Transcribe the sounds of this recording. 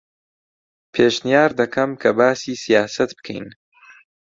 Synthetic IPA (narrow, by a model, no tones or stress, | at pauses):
pʰeːʃnijaːɾd̪ɐkʰɐmkʰɐbaːsiːsijaːsɐt̪bɨ̥kʰḛjn